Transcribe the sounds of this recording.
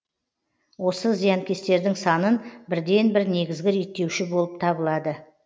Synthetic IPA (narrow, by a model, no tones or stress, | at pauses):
wo̞səzijɑŋkʲʰe̞st̪e̞ɾd̪ɪŋsɑnənbɪɾd̪e̞nbɪɾne̞ɡʲɪzɡʲɪɾit̪ːe̞wʃɪbo̞lˠəp̚t̪ʰɑbəlˠɑd̪ə